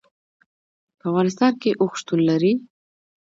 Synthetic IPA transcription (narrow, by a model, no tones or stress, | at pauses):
pəwɑɾɪst̪ɑnkeʔoxʃt̪unlaɾi